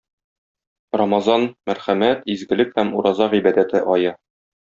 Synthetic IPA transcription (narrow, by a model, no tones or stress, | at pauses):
rɑmɑzɑnmæɾχæmæt̪izɡɘ̆lɘkhæmuɾɑzɑʁibæd̪æt̪ɘʔɒjɤ